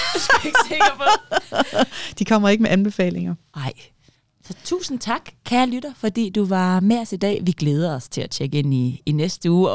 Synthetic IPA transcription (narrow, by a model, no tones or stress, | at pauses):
eɡ̥t͡sʰeŋɡ̥ɐpʰ | d̥ikʰɒ̽m̰ɐe̝ɡ̥əmeʔænb̥e̝fɛ̰ːle̝ŋɐ | ɑ̈ɪ̰ | sɒ̽t͡sʰṵːsn̩t͡sʰɑ̈ɡ̥kʰæːɐlyɾ̥ɐfɒ̽d̥ḭːd̥uʋɑ̈meɒsid̥ɛ̰ːʋiɡ̥leːð̞ˠɐɒ̽st͡sʰe̝læt͡ɕʰeɡ̥əe̝n̰iːnesd̥əuː